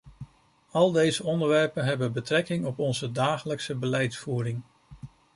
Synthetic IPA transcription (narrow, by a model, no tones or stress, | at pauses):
ɑlˠdejzəɔndəɹʋɛɹpənɦɛbənbətrɛkɪŋɔpɔnzədaːχələksəbəlɛjtfuːrɪŋ